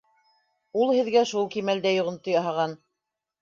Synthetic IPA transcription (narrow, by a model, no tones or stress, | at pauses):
ulˠhɘ̆ðɡæʃulˠkimæld̪æjŏʁɤ̆nt̪ɤ̆jɑɦɑʁɑn